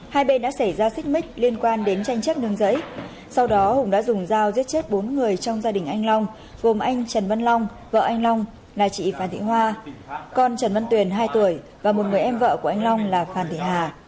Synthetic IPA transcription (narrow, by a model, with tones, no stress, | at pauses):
haː˧jɓe˧nɗa̰ː˧˥sə˧˩jzaː˧sï˦˥k̟̚mï˦˥k̟̚li˧ənkwaː˧nɗe˨˦nt͡ɕa˧jŋ̟t͡ɕə˦˥t̚n˧əŋzə̰˧˥j | sa˧wɗɔ˨˦hʊ˨˧˩ŋ͡mɗa̰ː˧˥zʊ˨˩ŋ͡mzaː˧wzi˦˥ət̚t͡ɕe˦˥t̚ɓo˨˦nŋɨ˨˩əjt͡ɕɔ˧wŋ͡mzaː˧ɗï˨˩ŋ̟ʔa˧jŋ̟lɔ˧wŋ͡m | ɣo˨˩mʔa˧jŋ̟t͡ɕə˨˩nvə˧nlɔ˧wŋ͡m | və̰ː˧˨ʔa˧jŋ̟lɔ˧wŋ͡m | laː˨˩t͡ɕḭ˧˨faː˧˩nt̪ʰhwaː˧kɔ˨˩nt͡ɕə˨˩nvə˧nt̪wi˨˩ənɦaː˧jt̪u˧˩əj | vaː˨˩mo˨˩t̚ŋɨ˨˩əjʔɛ˧mvə̰ː˧˨ku˧˩əʔa˧jŋ̟lɔ˧wŋ͡mlaː˨˩faː˧˩nt̪ʰḭ˧˨˩ɦaː˨˩